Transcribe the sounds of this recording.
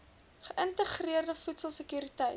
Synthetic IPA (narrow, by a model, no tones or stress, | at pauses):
χəʔəntəχriərdəfutsəlˠsəkyːɾitəj